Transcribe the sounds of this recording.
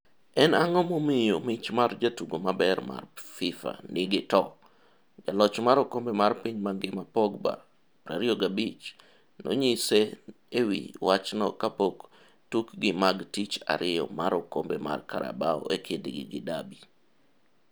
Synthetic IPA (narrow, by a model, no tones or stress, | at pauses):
ɛnaŋɔmomijomit͡ʃmard͡ʒatuɡomabɛrma̰rfɪfa̰nɪɡɪtɔ | d͡ʒalɔt͡ʃmaɾokombemarpiɲmaŋɡɪmapɔɡba̰ | ɾa̰ɾɪoɡabit͡ʃ | no̰ɲise | ewḭwat͡ʃnɔ̰kapok | tukɡɪmaɡtit͡ʃa̰ɾɪjɔ̰maɾokombema̰rkaɾa̰baɔ̰ekʰediɡɪ̰ɡɪdabi